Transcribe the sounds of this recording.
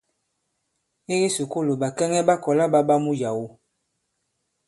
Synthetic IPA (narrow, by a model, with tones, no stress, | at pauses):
e˦ɣi˦su˨ko˦lo˨ba˨kɛ˦ŋɛ˦ba˦kɔ˨la˦ba˦ba˦mu˦ja˨wo˦